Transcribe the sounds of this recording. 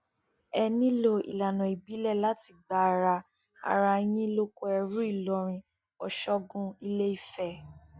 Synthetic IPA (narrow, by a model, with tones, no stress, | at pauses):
ɛ˧nĩ˦lo˧ḭ˨la˨nɔ̃˨i˨bi˨˦lɛ˦˨la˨˦ti˧ɡ͡ba˨˦a˨˧ɾa˧ | a̰˨˧ɾa˧˦j̃ĩ˦lo˦ko˧˦ɛ˧ɾũ˦i˦˨lɔ˨˧ɾ̃ĩ˧ | ɔ˨ʃɔ˦ɡũ˧i˧le˦i˦˨fɛ˨